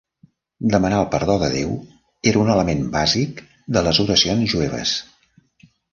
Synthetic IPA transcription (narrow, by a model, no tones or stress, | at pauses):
d̪əmənaəlˠpəɾðoðəðew | eɾəunələmembazik | d̪ələzuɾəsionzʒuɛβ̞ə̰s